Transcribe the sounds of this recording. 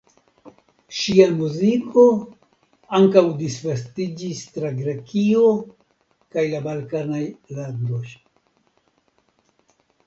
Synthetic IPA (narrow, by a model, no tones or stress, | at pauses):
ʃiamuzikʰo̞ | aŋkawdisvastid͡ʒistɾaɡɾekio̞ | kajlabalkanajlando̞j